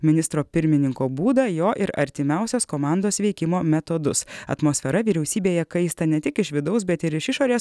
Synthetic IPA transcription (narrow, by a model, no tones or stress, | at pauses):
mʲɪnʲɪst̪ɾoːpʲɪɾʲmʲɪnʲɪŋkoːbuːd̪ɐjoːʔɪɾɐ̰ɾʲt̪ʲɪmʲæˑʊsʲoːskoːmɑˑnd̪oːsʋʲɛɪkʲɪmoːmʲɛt̪od̪ʊsɐ̰t̪moːsʲfʲɛɾɐʋʲiːɾʲɛʊsʲiːbʲeːjɛkɐɪst̪ɐnʲɛt̪ʲɪkɪʃʋʲɪd̪ɐʊs̬bʲɛt̪ɪɾɪʃɪʃoːɾʲeːs